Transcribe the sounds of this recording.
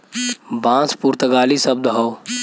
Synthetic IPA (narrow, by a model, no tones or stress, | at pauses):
bãːspuɾt̪əɡaːlisəb̚d̪ɦoː